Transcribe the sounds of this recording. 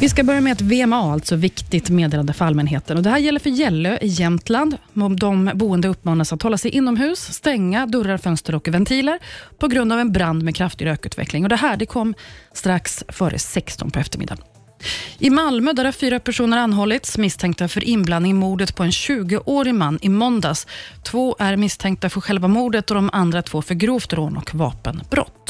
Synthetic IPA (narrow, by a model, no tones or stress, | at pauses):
vɪskabœɾjamɛɛt̪veːɛmɑːalt̪sɔvɪkt̪ɪɡt̪meːd̪eːland̪əfœɾalmɛnɦeːt̪ənɔd̪ɛɦæːɾjɛlːəɾfœɾjɛlːøʔɪjɛmt̪land̪d̪ɔmbuːənd̪əɵpːmɑːnasat̪hɔlːasɛjʔɪnːɔmɦʉ̟ːsːt̪ɛŋːad̪ɵɾaɾfœnst̪ɾəɾɔkvɛnt̪ʰiːləɾpʰɔɡɾɵnd̪avɛnbɾand̪mɛkʰɾaft̪ɪɡɾøːkʉ̟ːt̪vɛ̰klɪŋɔd̪ɛɦæːɖɛkʰɔmːst̪ɾaksfœːɾʔə̰sɛkst̪ɔ̰npʰɔɛft̪əɾmɪ̰d̪ːa̰n | ʔɪmalmøːd̪æːɾaɾfyːɾapʰæʂuːnəɾanːɦɔlːɪt̪smɪst̪ʰɛŋkt̪afœɾʔɪnblannɪŋmuːɖ̪ət̪pʰɔɛnɕʉ̟ːɡəʔoːɾɪmanːɪmɔnd̪ast̪ʰvoːʔæɾmɪst̪ʰɛŋkt̪afœɾɧɛlvamuːɖ̪ət̪ɔd̪ɔmʔand̪ɾat̪ʰvoːfœɾɡɾuːft̪ɾoːnʔɔ̰kvɑ̰ːpənb̥ɾɔ̰t̪ː